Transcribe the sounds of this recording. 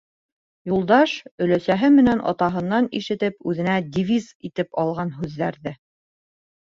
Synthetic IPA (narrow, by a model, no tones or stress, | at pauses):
julˠd̪ɑʃɵ̆læsæɦɘmɘ̆nænʔɑ̰t̪ɑɦɤ̆nːɑniʃɘ̆t̪ɘpʉðɘ̆næd̪ʲivʲizit̪ɘpɑlˠʁɑnɦʉðːæɾðɘ